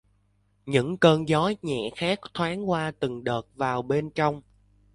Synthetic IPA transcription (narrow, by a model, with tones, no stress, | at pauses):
ɲɨ̰˧˥ŋkəː˧nzɔ˨˦jɲɛ̰˧˨xaː˦˥k̚t̪ʰwaː˨˦ŋkwaː˧t̪ɨ˨˩ŋɗəː˨˩t̚vaː˨˩wɓe˧nt͡ɕɔ˧wŋ͡m